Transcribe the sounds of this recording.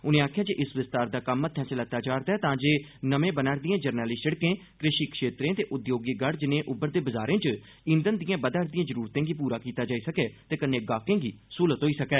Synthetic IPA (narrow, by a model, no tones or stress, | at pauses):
ʊnẽːaːkʰjaːd͡ʒeːʔɪsʋɪst̪aːɾd̪aːkəmːət̪ʰɛ̃ːsɪlət̪aːd͡ʒaːɾd̪aːɛːt̪ãːd͡ʒeːnəmẽːbənaːɾd̪ijãːd͡ʒəɾnɛːliːsəɽkẽːkɾɪʃiːkʃeːt̪ɾẽːt̪eːʔʊd̪joːɡiːɡəɽd͡ʒɪnẽːʔʊbəɾd̪eːbəzaːɾẽːt͡ʃ | ɪ̃nd̪ənd̪ɪjãːbəd̪əːɾd̪ijãːzəɾuːɾt̪ẽːɡiːp̬uːɾaːkiːt̪aːd͡ʒaːiːsəkɛːt̪eːkənːẽːɡaːkẽːɡiːsuːlət̪ɦoːiːsəkɛː